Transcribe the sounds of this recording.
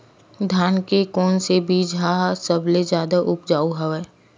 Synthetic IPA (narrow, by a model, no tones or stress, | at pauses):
d̪ʱjaːnkekɔːnsebʱiːd͡ʒɦaːsəbled͡ʒjaːd̪aʔʊpd͡ʒaːuɦɐʋeː